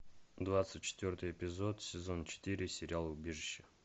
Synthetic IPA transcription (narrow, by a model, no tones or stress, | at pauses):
d̪vat̪sɨt̚ʲt͡ɕːɪ̥t̪vʲort̪ɨjɛpʲɪzot̪sʲɪzont͡ɕɪ̥t̪iɾʲɪsʲɪɾʲɪalˠʊbʲeʐɨɕːə̥